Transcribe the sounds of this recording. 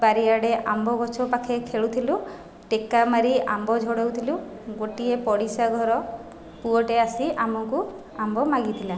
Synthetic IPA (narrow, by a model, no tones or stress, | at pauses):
baɾiaɽeʔambɔbɔt͡ʃʰɔpakʰekʰeɭut̪ʰilu | ʈekamaɾiambɔd͡ʒʱɔɽewt̪ʰilu | ɡoʈiepɔɽisaɡʱɔɾɔ | puɔʈeasiamɔŋku | ambɔmaɡit̪ʰila